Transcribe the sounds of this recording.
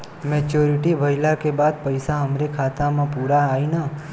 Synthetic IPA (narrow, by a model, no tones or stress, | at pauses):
mɛt͡ʃoɾiʈibʱəjlakebad̪̚pəjsaɦəmɾekʰat̪amãpuɾaːina